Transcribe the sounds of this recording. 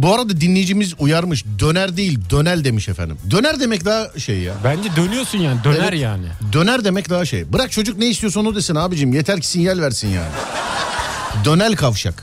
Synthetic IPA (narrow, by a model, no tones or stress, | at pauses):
buaɾad̪ad̪inlʲːejid͡ʒimizujaɾmɯʃd̪ø̞næɾd̪ejilʲd̪ø̞nælʲd̪e̞miʃefæ̰nd̪ḭmd̪ø̞næɾd̪e̞mɛcd̪aɦaʃḛjːa̰bænd͡ʒɛd̪ønyjoɾsunjaːnid̪ønæɾjaːnɪd̪ø̞næɾd̪e̞mɛcd̪aɦaʃḛjbɯɾak̚t͡ʃʰo̞d͡ʒuk̚nejist̪ʰijosunud̪esinaːbid͡ʒimjet̪ʰæɾcʰi̥sinjælʲvæɾsinja̰ːnɪ̰ | d̪ø̞nælʲkʰavʃa̰k